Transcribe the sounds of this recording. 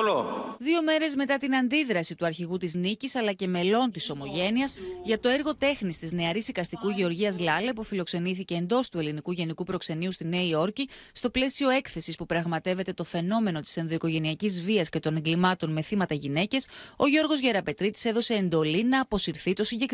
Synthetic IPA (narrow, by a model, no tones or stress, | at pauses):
oðio̞me̞ɾe̞zme̞t̪ɐt̪inɐnd̪iðɾɐsit̪uɐɾçiɣut̪iznicisɐlɐce̞me̞lo̞nt̪iso̞mo̞ʝe̞niɐsʝɐt̪o̞eɾɣo̞t̪e̞xnist̪izne̞ɐɾizðikɐst̪ikuʝe̞o̞ɾʝiɐzlɐle̞pufilo̞kse̞niθice̞ːnd̪o̞st̪ue̞linikuʝe̞nikupɾo̞kse̞niust̪ine̞io̞ɾci | st̪o̞ple̞sio̞e̞kθe̞sispupɾɐɣmɐt̪e̞ve̞t̪e̞t̪o̞fe̞no̞me̞no̞t̪i̥se̞nðo̞iko̞ʝe̞niɐcizviɐsce̞t̪o̞ne̞ŋɡlimɐt̪o̞nme̞θimɐt̪ɐʝine̞ce̞so̞ʝo̞ɾɣo̞zʝeɾɐpe̞t̪ɾit̪i̥seðose̞ːnd̪o̞linɐːpo̞siɾθit̪o̞siɲɟek